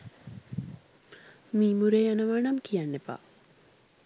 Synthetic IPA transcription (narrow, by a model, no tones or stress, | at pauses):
miːmuɾejanəʋaɳɐmkijanːepa̰